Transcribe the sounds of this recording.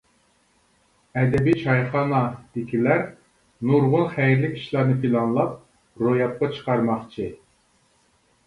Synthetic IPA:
ɛd̪ɛbiʃɑjχɑːnɑd̪̥ɪkʲʰilæɾ | nuɾʁʊlˠχæjɾlɪkʲi̥ʃlˠɑɾnɨpʰilˠɑnlˠɑp̚ | ɾojɑp̚qɑt͡ʃʰə̥qɑɾmɑχt͡ʃʰɨ

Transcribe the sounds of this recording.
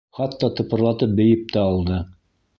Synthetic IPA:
χɑt̪ːɑt̪ŏpɤ̆ɾlˠɑt̪ɤp̚bɘ̆jɘp̚t̪æɑlˠd̪ɤ

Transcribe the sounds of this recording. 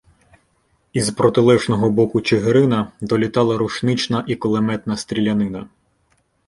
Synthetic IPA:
izpɾɔt̪ɪlˠɛʒnɔɦɔbɔkʊt͡ʃeɦɾɪnɐd̪ɔlʲit̪ɑlˠɐɾuʃnɪt͡ʃnɐʔikɔlˠemɛt̪nɐst̪ɾʲilʲɐnɪnɐ

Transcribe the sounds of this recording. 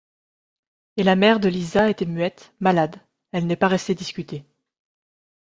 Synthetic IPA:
elamɛʁd̪əlizaet̪ɛmɥɛt̪malad̪ | ɛlnɛpaʁɛst̪ed̪iskʲyt̪e

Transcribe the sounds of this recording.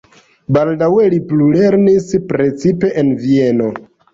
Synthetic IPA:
baldawe̞liplule̞ɾnispɾe̞t͡sipe̞ʔenvie̞no̞

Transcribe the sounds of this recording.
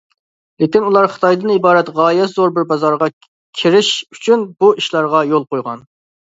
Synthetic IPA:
lekʲinulˠɑɾχə̥t̪ʰɑjd̪ɨnibɑːɾɛt̪ʁɑːjɛt̪zoɾbɪɾbɑzɑɾʁɑ | kʲʰiɾɪʃyt͡ʃʰynbuiʃlˠɑɾʁɑjolˠqojʁɑ̰n

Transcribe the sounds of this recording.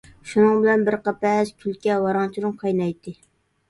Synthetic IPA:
ʃunɨŋbɪlɛnbɪɾqɑpɛzkʲʰylkʲɛwɑɾɑŋt͡ʃʰiɾɨmqʰɑjnɑjt̪ʰːɨ

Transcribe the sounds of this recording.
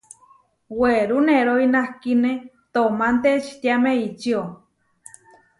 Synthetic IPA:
weɾuneɾoinahkine | t̪omant̪et͡ʃi̥t̪jameit͡ʃio

